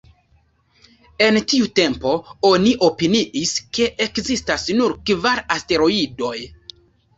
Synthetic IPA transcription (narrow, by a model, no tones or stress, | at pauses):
e̞ntiute̞mpo̞o̞niʔo̞piniʔiske̞ʔekzistasnuɾkvaɾaste̞ɾo̞ido̞j